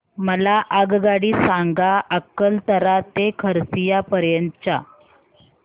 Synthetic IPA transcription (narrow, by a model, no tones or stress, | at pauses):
məlaʔaɡɡaɽiːsaŋɡaʔəkːəlt̪əɾat̪ekʰəɾsijapəɾjənt͡ɕa